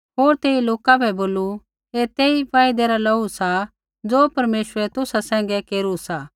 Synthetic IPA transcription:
ɦoːɾt̪eːiloːkapʰɛboːlu | et̪eːipaːɪd̪eɾalɐusa | d͡zoːpɐɾmeːsɾɛt̪ʊsasɛ̃ːŋ̆ɡɛkeːɾusa

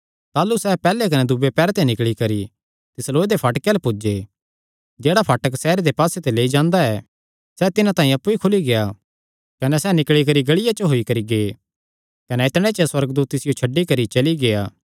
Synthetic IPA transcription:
t̪aːlusɛpɛːlːekɐnɛd̪ʊbepɛːɾt̪enɪkɭikɐɾi | t̪ɪsloːed̪epʰɐʈkelepʊd͡ʒe | d͡ʒeːɽapʰaːʈəksɛːɾed̪epaːset̪eleːid͡ʒãːnd̪aɛ | sɛt̪ɪnãt̪ãːĩɐpːuikʰʊliɡeja | kɐnɛsɛnɪkɭikɐɾiɡɐɭɪjat͡ʃəɦoikɐɾiɡeː | kɐnɛɪt̪ɽ̃et͡ʃɐswɐɾəɡd̪uːt̪ːɪsɪjot͡ʃʰɐɖːikɐɾit͡ʃɐliɡeaː

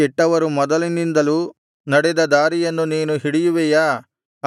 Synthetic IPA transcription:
ɛʈːɐʋɐɾumɔd̪ɐlinind̪ɐlu | nɐɽɛd̪ɐd̪aːɾijɐnːuniːnuɦiɽijuʋɛjaː

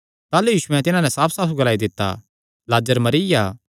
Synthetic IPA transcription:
t̪aːlujiːʃʊɛ̃t̪ɪnãnɛ̃saːpʰsaːpʰuɡɐlaːid̪ɪt̪ːa̰ | laːd͡ʒəɾmɐɾijaː

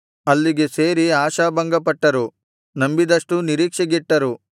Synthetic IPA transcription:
ɐlːiɡe̞seːɾiaːʃaːbɐŋɡɐpɐʈːɐɾu | nɐmbid̪ɐʂʈuniɾiːkʂɐɡiʈːɐɾu

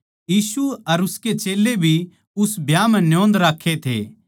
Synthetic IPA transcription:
jiːsuɐɾʊsket͡ʃeːlːebʱi | ʊsbjaːmɛ̃njõːnd̪ɾaːkʰːet̪ʰḛː

